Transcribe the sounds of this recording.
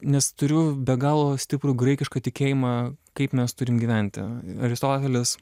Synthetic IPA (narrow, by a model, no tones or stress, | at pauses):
nʲɛst̪ʊɾʲʊbʲɛɡɑːlˠoːsʲt̪ʲɪpɾuːɡɾɐɪkʲɪʃkɐt̪ʲɪkʲeːjɪmɑːkɐɪpmʲɛst̪ʊɾʲɪmɡʲiːʋʲɛnʲt̪ʲɪ̰ɐɾʲɪst̪oːt̪ʲɛlʲɪs